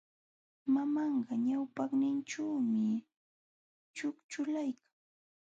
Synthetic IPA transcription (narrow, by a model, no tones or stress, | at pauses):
mamɑɴɢɑɲawpɑχnɪnt͡ʃaːmɪ | t͡ʃʊkt͡ʃʊlajkḁŋ